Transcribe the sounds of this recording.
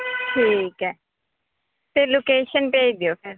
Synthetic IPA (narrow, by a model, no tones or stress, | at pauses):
ʈʰiːkɛː | t̪eloːkeːʃənpeːid̪ɪjoːpʰɪɾ